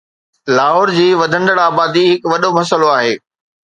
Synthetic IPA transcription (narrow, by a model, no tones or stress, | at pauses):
laːɦɔːɾd͡ʑiːʋɐd̪ʱə̃nd̪əɽaːbaːd̪iɦɪkʋɐɗomɐsəloaːɦeː